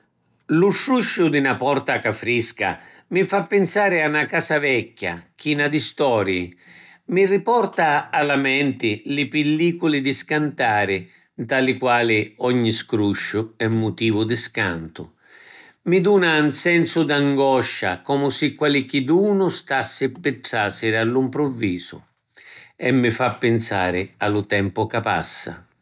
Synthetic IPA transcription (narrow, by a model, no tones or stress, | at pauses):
luʃɾuʃːʊd̪ɪnapɔɾt̪akafɾiska̰ | mifapːɪnsaːɾɪanːakaːsavɛkːa̰k̟inad̪ist̪ɔːɾjḭ | miripɔrt̪aːlamɛnt̪ɪlɪpɪlːiːkulɪd̪ɪskant̪aːɾɪ | nt̪alɪkwaːlɪɔɲːiskɾuʃːʊɛmːʊt̪iːvʊd̪ɪska̰nt̪ʊ | mɪd̪uːnansɛnsʊd̪aŋɡɔʃːa̰kɔmʊsɪkwalɪk̟id̪uːnʊst̪asːɪpːɪʈsasɪɾɪalːimpɾɔvːiːzʊ̰ | ɛmːɪfapːɪnsaːɾɪalʊt̪ɛmpʊkapa̰sːa̰